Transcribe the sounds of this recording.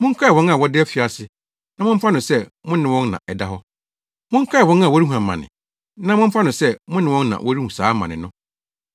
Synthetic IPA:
mʊ̃˦ŋ̩˦kʰa˦ɛ˨wɔ̃˦na˨wɔ˦dɪ˦ɛ˦fi˨a˨sɪ˦ | nã˦mʊ̃˦m̩˦fa˦nʊ̃˨sɛ˦mʊ̃˦nɪ̃˨wɔ̃˦nnã̰˨ʔɛ˨da˦ɦɔ˦ | mʊ̃˦ŋ̩˦kʰa˦ɛ˨wɔ̃˦n˦a˨wɔ˦ɾi˦hũ˨a˨mã̰˨nɪ̰̃˨ | nã˦mʊ̃˦m̩˦fa˦nʊ̃˨sɛ˦mʊ̃˦nɪ̃˨wɔ̃˦nnã̰˨wɔ˦ɾi˦hũ˨saː˨˦mã̰˨nɪ̃˨nʊ̃˦

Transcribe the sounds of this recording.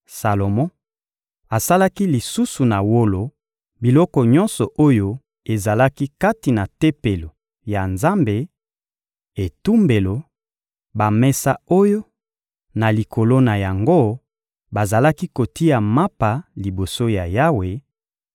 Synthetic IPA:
sa˨lo˨mɔ̃˦ | a˨sa˦la˦ki˦li˨su˦su˨na˨wo˦lo˨ | bi˨lɔ˦kɔ˨ɲɔ˦nsɔ˨ʔo˦jo˦ | e˨za˨la˦ki˦ka˦ti˨na˨te˦pe˨lo˨ | ja˨nza˦mbe˨ | e˨tu˦mbe˨lo˨ | ba˨mɛ˦sa˦o˦jo˦ | na˨li˨kʰo˨lo˦na˨ja˨ŋɡo˦ | ba˨za˨la˦ki˦ko˨ti˦a˨ma˦pa˨li˨bo˨so˦ja˨ja˦we˨

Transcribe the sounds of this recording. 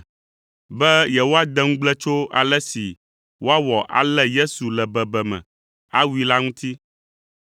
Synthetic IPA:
bɛ˦jɛ˨wo˦a˦d̪ɛ˦ŋũ˦ɡ͡blɛ˦t͡ʃo˦a̰˨lɛ˦si˨ | wo˦a˦wɔ˨ʔa̰˨lɛ˦je˦su˨lɛ˨bɛ˨bɛ˨mɛ̰̃˨ | a˦wu˦i˦la˦ŋũ˦t̪ʰi˦

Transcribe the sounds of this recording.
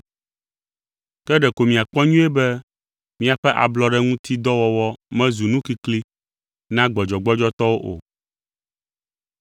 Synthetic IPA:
kɛ˦ɖɛ˨ko˨mĩ˨a˨k͡pɔ˦ɲũ˦ɛ˦bɛ˦ | mĩ˦a˨ɸɛ˦ʔa̰˨blɔ˨ɖɛ˦ŋũ˦t̪ʰi˦d̪ɔ˦wɔ˨wɔ˦mɛ̃˦zu˨nũ˦ki˦kli˦ | nã˦ɡ͡bɔ˨d͡ʒɔ˨ɡ͡bɔ˦d͡ʒɔ˦t̪ɔ˦wo˦ʔo̰˨

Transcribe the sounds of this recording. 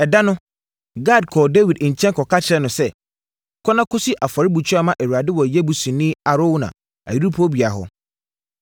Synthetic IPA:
ɛ˨da˦nʊ̃˦ | ɡa˦˨d̚kʰɔː˨de˦wi˨dɲ̩˨t͡ɕʰɛ̃˦nkʰɔ˨kʰa˦t͡ɕʰɪ˨ɾɛ˨nʊ̃˨sɛ˦˨ | kʰɔ˦nã˦kʰʊ˦si˦ʔa˨fɔ˨ɾɪ˦bu˨t͡ɕʰᶣʊ˦a˦˨mã˦ʔe˨wu˨a˨dɪ˦wɔ˨jɛ˦bu˨sũ˨nĩ˦a˨ɾo˦wnã̰˨ | a̰˨ji˦ɾu˦pʰo˦bi˨a˨ɦɔ̰˨

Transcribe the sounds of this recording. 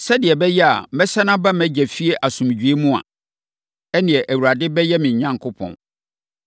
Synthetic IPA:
sɛ˦dɪ˨ɛ˨bɛ˦jɛ˦a̰˨mɛ˦sɛ˦nã˦bã˦mɛ̃˦d͡ʑɛ˨fi˦e˦ʔa˨sũ˨m˨d͡ʑᶣɥe˦mũ˦a̰˨ | ɛ˦nɪ̃˨ɛ˨ʔæ˨wu˨ɾa˨dɪ˦bɛ˦jɛ˦mɪ̃˨ɲ̩˨ɲã˦ŋkʰʊ˦pʰɔ̰̃˨n

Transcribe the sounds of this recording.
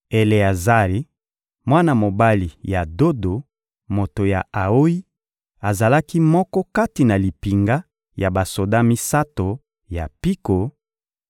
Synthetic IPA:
e˨le˨a˨za˦ʁi˨ | mwa˦na˨mo˨ba˦li˨ja˨do˦do˨ | mo˨to˨ja˨a˨o˦i˦ | a˨za˨la˦ki˦mɔ˦kɔ˦ka˦ti˨na˨li˨pi˨ŋɡa˦ | ja˨ba˨so˨da˦mi˦sa˦to˨ | ja˨pi˦ko˨

